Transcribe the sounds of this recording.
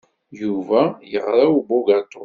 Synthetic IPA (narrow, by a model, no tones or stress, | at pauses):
juvæjəʁɾawboɡat̪ˤːo